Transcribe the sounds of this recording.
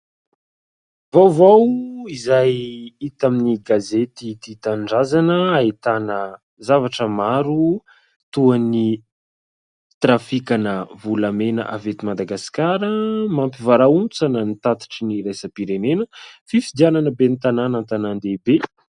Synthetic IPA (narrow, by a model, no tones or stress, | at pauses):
vawvawizajit̪aminiɡazet̪it̪it̪aɳɖ͡ʐazanəait̪anə | zavaʈ͡ʂəmaɾu | t̪uani | t̪rafikanəvulamenə̰ʔavet̪imad̪aɡasi̥kaɾəmampivaɾaunt͡sanənit̪at̪i̥ʈ͡ʂiniɾajsəpiɾenenəfifid̪iananəbenit̪ananant̪anand̪ebe